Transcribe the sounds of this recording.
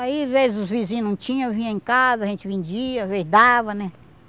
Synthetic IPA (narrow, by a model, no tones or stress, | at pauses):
aiazvezɪzʊzvizĩɲ̃nɐ̃t͡ʃĩɲɐ̃vĩɲɐ̃ẽkazɐʒẽnt͡ʃɪvĩd͡ʒiɐazvezɪd̪avɐnɛ